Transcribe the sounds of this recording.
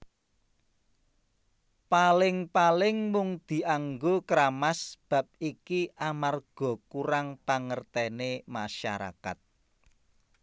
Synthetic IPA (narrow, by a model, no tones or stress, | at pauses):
palɪŋpalɪŋmʊŋd̪̥i̤aŋɡokɾamasb̥a̤p̚ikiʔamarɡ̥ɔ̤kuɾaŋpaŋərt̪ɛnemaʃa̰ɾa̰ka̰t̪̚